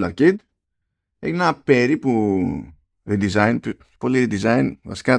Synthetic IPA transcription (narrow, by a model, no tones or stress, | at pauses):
lɐɾkid̪ | ḛknapeɾipu | ɾid̪izajnp | poliɾid̪izajnvɐ̰ska